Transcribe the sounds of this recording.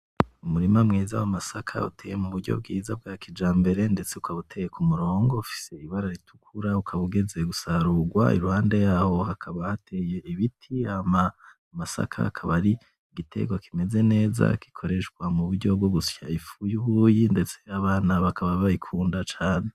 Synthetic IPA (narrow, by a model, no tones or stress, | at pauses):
umuɾimamŋiːza̰wamasakʰa̰ṵtʰeːjemuβuɾɟo̰b̚ɡiːzab̚ɡaːkid͡ʒaːmbe̞ɾe̞nde̞t͡seukʰaβutʰejekumuɾo̞ːŋɡo̞ufi̥se̞iβaɾaɾitʰu̥kʰuɾaukʰaβuɡe̞ze̞ɡusaɾuɡwa̰ḭɾuhaːnde̞jaːho̞hakʰaβahatʰe̞je̞iβitʰiama | amasa̰kʰa̰kʰaβaɾi | ɡitʰe̞̰ɡwakʰime̞ze̞ne̞ːza̰ki̥kʰo̞ɾe̞ʃɡwamuβuɾɟo̞bɡoɡusjaifujuβujinde̞t͡se̞aβaːnaβakʰaβaβaikʰuːndat͡ʃaːne